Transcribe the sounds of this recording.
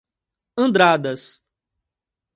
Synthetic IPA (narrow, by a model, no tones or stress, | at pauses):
ɐ̃nd̪ɾad̪ɐs